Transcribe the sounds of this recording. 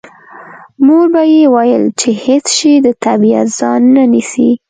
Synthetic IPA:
muɡbajewajəlt͡ʃehet͡sʃed̪ət̪abia̰t̪z̥ɑnːanisi

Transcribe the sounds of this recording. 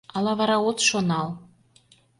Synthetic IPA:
ɑlɑβɑɾɑot̪ʃonɑl

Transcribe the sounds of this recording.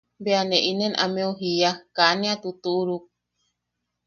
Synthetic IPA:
beaneʔinenʔameuɦijakanẽat̪ut̪uuɾuk̚

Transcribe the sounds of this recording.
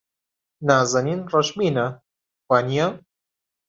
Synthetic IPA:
naːzɐniːnrɐʃmiːnɐ | waːnija

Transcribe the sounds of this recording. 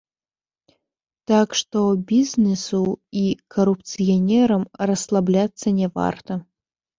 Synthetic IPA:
t̪akʂt̪obʲizʲnʲɛsuikʰɐɾup̚t̪sɨjɐnʲɛɾɐmrɐslˠablʲat̪sːɐnʲɛva̰rt̪ɐ

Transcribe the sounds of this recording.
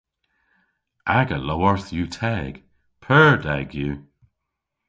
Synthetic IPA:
ʔaɡəlɔwəɹθjuːtʰɛːɡ̥ | pʰɜɹdɛ̰ɡjuː

